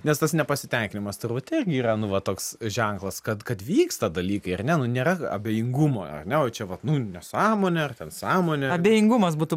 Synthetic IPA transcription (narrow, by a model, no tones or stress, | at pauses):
nʲɛst̪ɐsnʲɛpɐsʲɪt̪ʲɛŋʲkʲɪnʲɪmɐst̪ʊrʋɐt̪ʲɪrʲɡʲɪiːɾɐnʊʋɐt̪oːksʒʲɛŋklˠɐskɐt̪kɐt̪ʋʲiːkst̪ɐd̪ɐlʲiːkɐɪɐrnʲɛnʊnʲeːɾɐɐ̰bʲeːjɪŋɡʊmo̰ːɐ̰rnʲɛoːt͡ʃʲɛʋɐt̪nʊnʲɛsɑːmoːnʲɛɐrt̪ʲɛnsɑːmoːnʲɛɐbʲeːjɪŋɡʊmɐs̬buːt̪ʊ